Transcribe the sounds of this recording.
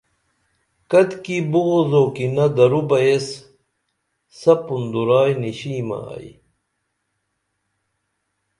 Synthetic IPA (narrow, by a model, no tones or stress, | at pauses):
kɐt̪kibuɣozoːkinɐd̪ɐɾubɐes | sɐpund̪uɾaːjniɕiːma̰j̰